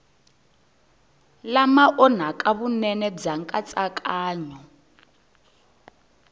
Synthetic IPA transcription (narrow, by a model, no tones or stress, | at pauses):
lamaʔɔn̤akʼaβunɛnɛd͡zaŋkʼat͡sʼakʼaːɲɔ